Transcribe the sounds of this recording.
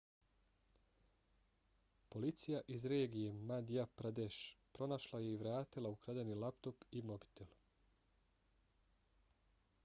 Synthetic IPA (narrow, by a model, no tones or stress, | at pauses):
po̞lit̪sijaʔizɾe̞ːɡije̞mad̪ijapɾad̪eʃpɾo̞naʃlˠaje̞iʋɾaːt̪ilˠaukɾad̪enilˠapt̪o̞pimo̞bi̥t̪elˠ